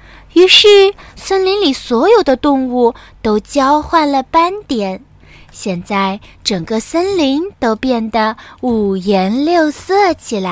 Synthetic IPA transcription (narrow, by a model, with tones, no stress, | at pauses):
y˧˥ʂɻ̩˥˩sə˥nli˧˥ŋli˨˩swɔ˧˥jo˨˩ʊd̪ə˦t̪ʊ˥˧ŋu˥˩ | t̪o˥ʊt͡ɕjɑ˥ʊxwa˥˩nlə˩pa˥nt̪jɛ˨˩˦n | ɕjɛ˥˧nt͡sa˥˩ɪʈ͡ʂɤ˨˩ŋɡə˧sə˥nli˧˥ŋt̪o˥ʊpjɛ˥˩nd̪ə˩u˨˩jɛ˧˥nljo˥˧ʊsɤ˥˩t͡ɕʰi˨˩la˧˦˥ɪ